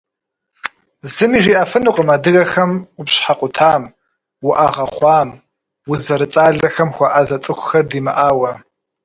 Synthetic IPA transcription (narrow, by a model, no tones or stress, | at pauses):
zɨmiːʒiʔɐfɨnuqʼəmadɨɣɐxɐmqʷʊpɕħaqʷʼʊtʰaːm | wʊʔaʁɐχʷɑːm | wʊzɐɾɨt͡sʼaːɮɐxɐmxʷɑʔazɐt͡sʼɨxʷʊxɐrdiːmɨ̰ʔaːwɐ